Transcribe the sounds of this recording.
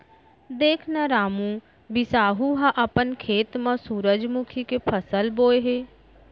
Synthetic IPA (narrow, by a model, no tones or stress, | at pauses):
d̪eːkʰnaɾaːmũ | bɪsaːɦuɦãʔɐpənkʰeːt̪mãsuːɾəd͡ʒmʊkʰikepʰəsəlboːeɦeː